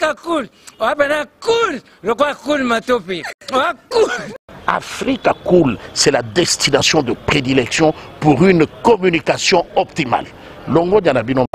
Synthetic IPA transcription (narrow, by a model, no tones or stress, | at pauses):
akulowapɛnakul | lokoakulmatopeowakula̰fʁikakulsɛlad̪ɛst̪inasjɔ̃d̪əpʁed̪ilɛksjɔ̃puʁynkɔmynikasjɔ̃ɔp̚t̪ima̰l | lɔ̃ŋɡɔ̃ɲãnabinɔ̃